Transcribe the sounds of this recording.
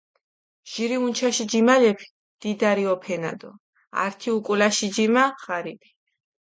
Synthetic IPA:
ʒ̥iɾiunt͡ʃʰaʃid͡ʒimalɛpʰi̥ | d̪̥id̪aɾiɔpʰɛna̰d̪ɔ̰ | a̰ɾt̪ʰiukʼulaʃid͡ʒimaχaɾipʰi̥

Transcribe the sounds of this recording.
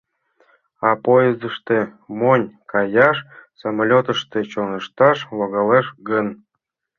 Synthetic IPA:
ɑpojezəʃt̪emonʲkɑjɑʃsɑmalʲot̪əʃt̪et͡ɕonə̆ʃt̪ɑʃlɑɣɑleʃɡən

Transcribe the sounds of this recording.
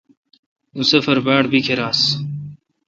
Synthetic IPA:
ũːsəfəɾbaːɽbʱiːkʰeɾaːs

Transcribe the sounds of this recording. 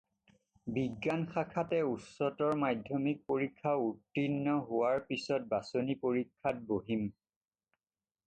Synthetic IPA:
biɡːanxakʰatɛutsɔtɔɹmajdʱɔmik̚poɹikʰːautːinːɔɦʊwaɹpisɔt̚basonipoɹikʰːat̚boɦim

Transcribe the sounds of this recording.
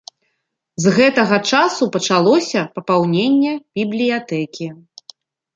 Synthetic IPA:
zɣɛt̪ɐɣɐt͡ʂasupɐt͡ʂalˠɔsʲɐpɐpawnʲenʲːɛb̥ʲiblʲijat̪ɛkʲi

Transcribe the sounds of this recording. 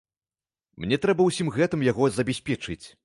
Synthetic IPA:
mnʲɛt̪ɾɛbɐwsʲimɣɛt̪ɨmjaɣɔzɐbʲɛsʲpʲɛt͡ʂɨt͡sʲ

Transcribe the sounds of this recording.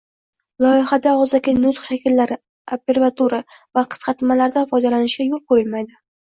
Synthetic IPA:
lˠɒɪχad̪aɒzd̪aɡʲɪnʊt̪χʃakʲʰɪlːaɾɪ | apʲːe̞ɾvat̪ʰuɾavaqʰɨ̥sqɑt̪malaɾd̪anfɒjd̪alanɪʃɡʲajolˠqʰojɪlmajd̪ɪ

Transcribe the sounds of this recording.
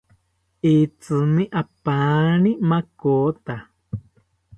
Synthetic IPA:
it͡sɨmĩʔapãːnĩmãkoːt̪a

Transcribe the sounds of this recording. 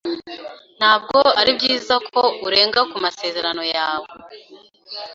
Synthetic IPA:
n̥haːb̚ɡo̞aɾibɡiːzakʰo̞uɾe̞ːŋɡakumase̞ːze̞ɾano̞jaːwe

